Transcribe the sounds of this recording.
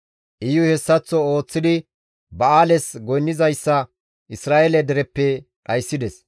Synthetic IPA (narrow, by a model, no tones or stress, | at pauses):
ʔɪjʊhɛsːɐt͡sːɔo̞ːt͡sːɪd̪ɪ | bɐaːlɛsɡɔjnːɪzɐjsːɐ | ʔɪsɾaːʔelɛd̪ɛɾɛpːɛ | ᶑɐjsːɪd̪ɛs